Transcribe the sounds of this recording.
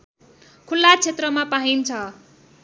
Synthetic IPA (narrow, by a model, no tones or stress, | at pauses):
kʰulːat͡sʰet̪rʌmapaɦint͡sʰʌ